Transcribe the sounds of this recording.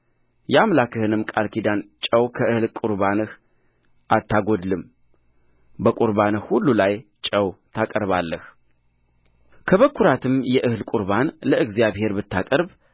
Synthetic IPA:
jɛamlakʰɨhɨnɨmːkʼalkid̪ant͡ʃʼəwkʰəʔɨhlkʼuɾβanɨh | ʔat̪ʰːaɡod̪lɨm | bəkʼuɾbanɨhhulːulajt͡ʃʼəwt̪ʰakʼəɾβalːəh | kʰəβəkʰːuɾat̪ʰɨmjɛʔɨhlkʼuɾbanləʔɨɡzjaβhe̞ɾbɨt̪ːakʼəɾb

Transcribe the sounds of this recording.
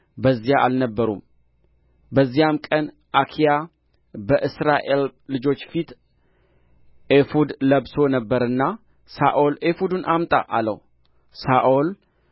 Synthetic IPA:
bəzːijaʔalnəbːəɾṵm | bəzːijamkʼən | ʔakʰija | bəʔɨsɾaʔe̞lːɨd͡ʒo̞t͡ʃːfit̪ | ʔefud̪ləβso̞nəbːəɾɨnːa | saʔolefud̪unʔamt̪ʼa̰ʔalə̰w | saʔol

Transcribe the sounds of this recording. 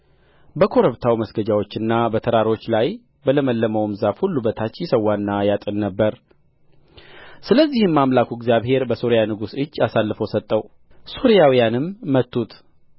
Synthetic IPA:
bəkʰo̞ɾəβt̪ʰawiməsɡəd͡ʒawo̞t͡ʃːɨnːabət̪ʰəɾaɾo̞t͡ʃːlaj | bələməlːəməwmzafhulːubət̪ʰat͡ʃːjɪsəwːanːajat̪ʼɨnːəbːəɾ | sɨləzːihɨmːamlakʰuɛɡzjaβhe̞ɾbəso̞ɾijanɨɡusɨd͡ʒːasalːɨfəwsət̪ʼːəw | so̞ɾijawijanɨmːət̪ːut̪

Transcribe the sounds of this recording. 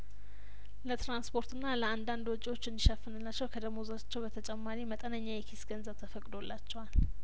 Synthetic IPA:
lət̪ɾanspʰo̞ɾt̪ɨnːaləand̪and̪wɔt͡ʃʼiwo̞t͡ʃːɨnd̪iʃəfɨnɨlːat͡ʃːɛwkʰəd̪əmozat͡ʃːɛwbət̪ʰət͡ʃʼɛmːaɾimət̪ʼənəɲːajɛkʰisɡənzəβt̪ʰəfəkʼd̪o̞lːat͡ʃːɛwal

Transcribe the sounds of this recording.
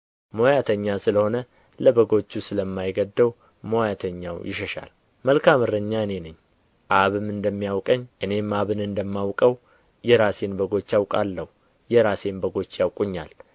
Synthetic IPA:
mojat̪ʰəɲːasɨləho̞nə | ləbəɡo̞t͡ʃːusɨləmːajɡəd̪ːəw | mojat̪ʰəɲːawjɪʃəʃa̰l | məlkʰamɨɾəɲːaɨne̞nɨɲː | ʔaβɨmɨnd̪əmːijawkʼəɲːʔɨne̞mːaβɨnɨnd̪əmːawkʼəw | jɛɾase̞nbəɡo̞t͡ʃːjawkʼalːəhu | jɛɾase̞nbəɡo̞t͡ʃːjawkʼuɲːal

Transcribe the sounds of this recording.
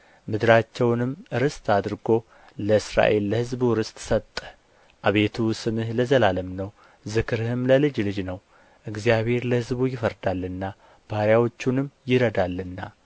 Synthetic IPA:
mɨd̪ɨɾat͡ʃːɛwnɨmɨɾɨst̪ʰad̪ɾɡo̞ | ləɨsɾa̰ʔe̞lːəhɨzbuɾɨst̪ʼsət̪ʼːə̥ | ʔaβe̞t̪ʰusɨmɨhləzəlaləmnəw | zɨkʰɨɾhɨmləlɨd͡ʒlɨd͡ʒnəw | ʔɨɡzijaβhe̞ɾləhɨzbujɪfəɾd̪alːɨnːa | b̥aɾjawo̞t͡ʃːunɨmjɪɾəd̪alːɨnːa

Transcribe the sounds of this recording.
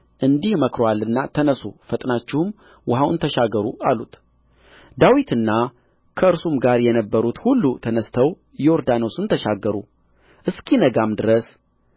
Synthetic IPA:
ʔɨnd̪ihməkɾoalːɨnːat̪ʰənəsufət̪ʼnat͡ʃːɪhɨm | wʊɦawʔɨnt̪ʰəʃaɡəɾualut̪ | d̪awit̪ɨnːa | kʰəɨɾsumɡaɾjɛnəbːəɾut̪hulːut̪ʰənəst̪ʰəw | jɛoɾd̪anosɨnt̪ʰəʃaɡːəɾṵ | ʔɨskʰinəɡamd̪ɨɾəs

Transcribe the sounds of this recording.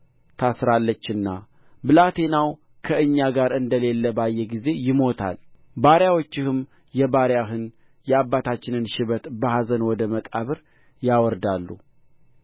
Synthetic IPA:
t̪ʰasɾalːət͡ʃːɨnːa | bɨlat̪ʰe̞naw | kʰəɨɲːaɡaɾɨnd̪əle̞lːəbajːɛɡize̞jɪmo̞t̪ʰa̰l | baɾjawot͡ʃːɪhɨm | jɛbaɾjaɦɨn | jɛabːat̪ʰat͡ʃːɪnɨnʃɪβət̪bəɦazənwɔd̪əməkʼaβɨɾ | jawɔɾd̪alːṵ

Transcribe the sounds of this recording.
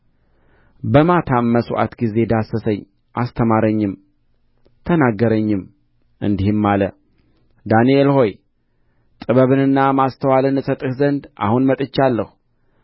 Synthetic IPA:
bəmat̪ʰamːəsoʔa̰t̪ɡize̞d̪asːəsəɲː | ʔast̪ʰəmaɾəɲːɪm | t̪ʰənaɡːəɾəɲːɪm | ʔɨ̰nd̪ihɪmːalə | d̪anielho̞j | t̪ʼɨβəβɨnɨnːamast̪ʰəwalɨnɨsət̪ʼɨhzənd̪ʔa̰hunmət̪ʼɨt͡ʃːalːəhu

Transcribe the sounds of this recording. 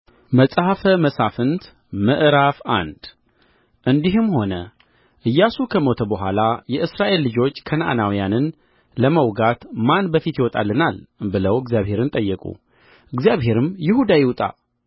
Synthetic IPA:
məsʼhəfəməsafɨnt̪ | məʔɾafa̰nd̪̥ | ʔɨnd̪iɦɨmho̞nə | ʔɨjːasukʰəmo̞t̪ʰəbəɦʷa̰lajɛʔɨsɾaʔe̞lːɨd͡ʒo̞t͡ʃːkʰənaʔanawijanɨn | ləməwɡat̪manbəfit̪jɪwɔt̪ʼa̰lːɨnalbɨləwɨɡzjaβhe̞ɾɨnt̪ʼəjːɛkʼṵ | ʔɨɡzijaβhe̞ɾɨmjɪhud̪ajɪwt̪ʼa̰

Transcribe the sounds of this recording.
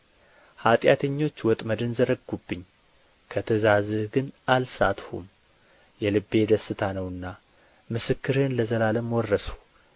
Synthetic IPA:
hat̪ʼjat̪ʰəɲːo̞t͡ʃːwɔt̪ʼməd̪ɨnzəɾəɡubːɨɲː | kʰət̪ʰəzazɨhɡɨnʔalsa̰t̪hṵm | jɛlɨbːe̞d̪əsːɨt̪ʰanəwɨnːa | mɨsɨkːɨɾenləzəlaləmwɔrːəsu̥

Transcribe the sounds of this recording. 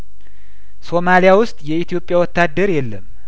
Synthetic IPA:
so̞malijawʊst̪ʼjɛit̪ʰijo̞pʼːjawɔt̪ːad̪ːəɾjɛlːəm

